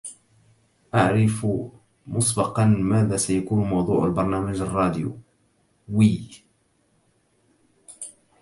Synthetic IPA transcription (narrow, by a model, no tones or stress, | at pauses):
ʔaʕɾɪf | mʊsbɑqɑnmaːðaːsajakuːnmɑwðˤṵːʕalbɑɾˤnaːmad͡ʒarˤːɑːd̪ɪjṵ | wiː